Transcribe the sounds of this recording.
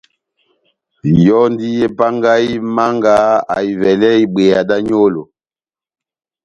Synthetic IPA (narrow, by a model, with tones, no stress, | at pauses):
jɔ˦ndi˦je˦pa˦ŋɡa˦i˦ma˦ŋɡa˦a̰˨i˨vɛ˨lɛ˦i˨ɓe˨ja˨da˦ɲo˦lo˨